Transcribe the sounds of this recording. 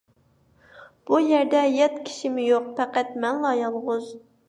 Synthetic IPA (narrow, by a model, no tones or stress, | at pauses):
b̥ujɛɾd̪ɛjɛt̪kʲʰi̥ʃimɪjoq̚pɛqæt̪mɛnlˠɑjɑlˠʁʊz